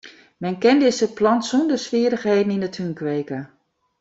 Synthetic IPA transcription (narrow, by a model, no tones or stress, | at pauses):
mɛnkɛndɪsəplɔnsundəsʋɪəɾəxɦeːdn̩inətʰhynkʋeːkə